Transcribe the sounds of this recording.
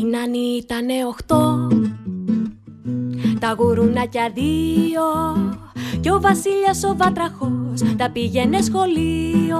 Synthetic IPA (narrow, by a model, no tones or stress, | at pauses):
nɐnit̪ɐne̞o̞xt̪o̞ | t̪ɐɣuɾunɐcɐðio̞ | ceo̞vɐsiʎɐso̞vɐt̪ɾɐxost̪ɐpiʝe̞ne̞sxo̞lio